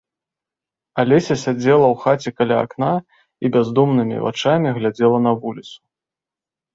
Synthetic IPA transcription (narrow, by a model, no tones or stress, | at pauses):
alʲɛsʲɐsʲad͡zʲɛlˠɐwxat͡sʲɛkalʲa̰ːkna | ibʲazd̪umnɨmʲḭva̰t͡ʂamʲiɣlʲad͡zʲɛlˠɐn̪ɐvulʲit̪su̥